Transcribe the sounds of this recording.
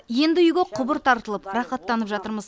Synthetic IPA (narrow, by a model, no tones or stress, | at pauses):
je̞nd̪ɪʏjɡʲeqʰʊbəɾt̪ʰɑɾt̪əlˠəpɾɑχɑt̪ːɑnəpʒɑt̪əɾməz